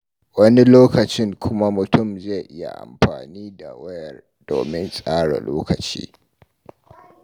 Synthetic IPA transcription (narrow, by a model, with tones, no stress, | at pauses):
wɐ˦ni˦loː˦kɐ˨t͡ʃɪ˦ŋkʷʰʊ˦ma˦mʊ˨tʊ˦˨mza˦˨ʔɪ˦ja̰˨ʔa̰˨mɸaː˨niː˦da̰˨wɐ˦jɐ˨r | d̥o̰ː˨mɪ˦nsʼaː˦ɽa̰˨loː˦kɐ˨t͡ʃḭː˦